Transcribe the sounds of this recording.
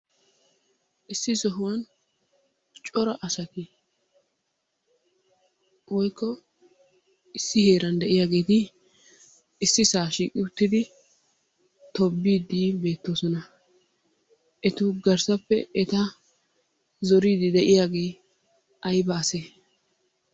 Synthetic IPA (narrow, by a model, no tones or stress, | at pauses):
ʔɪsːɪsɔɦʊwɐn | t͡ʃʼɔɾɐʔɐsɐt̪ɪ | wɔjkːɔ | ɪsːɪheːɾɐnd̪ɛʔɪjaːɡe̞ːt̪ɪ | ɪsːɪsaːʃiːkʼɪʊt̪ːɪd̪ɪ | t̪ɔbːiːd̪iːbe̞ːt̪ːo̞ːsɔnɐ | ʔɛt̪ʊɡɐɾsɐpːɛɛt̪ɐ | zɔɾiːd̪ɪd̪ɛʔɪjaːɡe̞ː | ʔɐjbɐːse